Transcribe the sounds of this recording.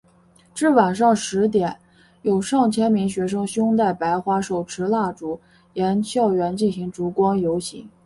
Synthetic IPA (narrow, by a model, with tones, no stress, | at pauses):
ʈ͡ʂɻ̩˥˩wa˨˩nʂɑ˥˩ŋʂɻ̩˧˥t̪jɛ˨˩˦n | jo˨˩ʊʂɑ˥˩ŋt͡ɕʰjɛ˥nmi˧˥ŋɕɥɛ˧˥ʂ̬ɤ˥ŋɕjʊ˥ŋt̪̬a˥˩ɪpa˧˥ɪxwa˥ʂo˨˩ʊʈ͡ʂʰɻ̩˧˥la˥˩ʈ͡ʂu˨˩ | jɛ˧˥nɕjɑ˥˩ʊɥɛ˧˥nt͡ɕi˥˩nɕi˧˥ŋʈ͡ʂu˧˥kwɑ˥ŋjo˧˥ʊɕḭ˧˥ŋ